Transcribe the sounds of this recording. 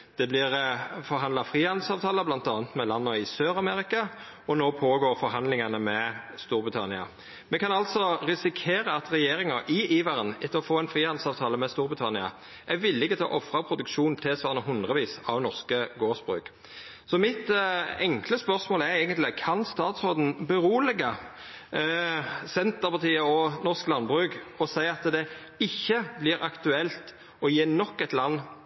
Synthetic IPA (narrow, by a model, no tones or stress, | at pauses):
d̪̥ɛblɪʁfɔɾɦɑnd̪lɑfʁiːhɑnd̪̩sɑːʋt̪ʰɑːləblɑnt̪ɑːnt̪mɛlɑnːɔɪsøːɾɑmɛʁɪkɑ | ɔnoːpʰoːɡoːɾfɔɾɦɑnd̪lɪŋɑnəmɛst̪uːɾbʁɪt̪ʰɑnɪɑ̰ | mɛkʰɑnɑlt̪sɔʁɪsɪkʰeːɾəɑt̪ɾɛjeːɾɪŋɑʔɪʔiːʋɑʁənɛt̪ʰːəʁɔfoːɛnfʁiːhɑnd̪̩sɑːʋt̪ʰɑːləmɛst̪uːɾbʁɪt̪ʰɑnɪɑ̰ | ʔæʋɪlːɪkət̪ʰɔ̰ʔɔfʁɑpʰɾʊd̪ʉkʃuːnt̪ʰɪlsʋɑːʁnəɦʉnd̪ʁəʋiːsɑ̰ʋnɔʁskəɡoːsb̥ʁʉ̰ːk | sɔmɪt̪ɛŋkləspœɾsmoːlɛɾɛːɡənt̪lɪkʰɑnst̪ɑːt̪sʁoːd̪n̩bəʁuːlɛɡɑ | sɛnt̪əʁpɑʁt̪ʰiːəɔnɔʁsklɑnbʁʉkɔsæɪɑt̪d̪ɛ | ɪçːəblɪːɾɑkt̪ʉɛlt̪ | ɔjeːnɔkːɛt̪lɑnː